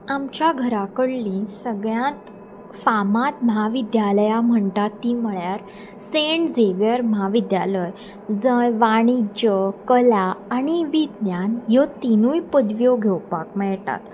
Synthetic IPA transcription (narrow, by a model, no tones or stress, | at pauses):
amt͡ɕjaɡʱəɾakəɽlĩːsəɡɭjãt̪ | famãt̪məɦaʋid̪jaləjam̤əɳt̪at̪ːim̤əɭjaɾ | seɳʈd͡zeʋjəɾməɦaʋid̪jaləj | d͡zəjʋaɽ̃id͡ʑəkəlaːñiʋid̪njanjɔt̪inujpəd̪ʋjoɡʱewpakmɛɭt̪a̰t̪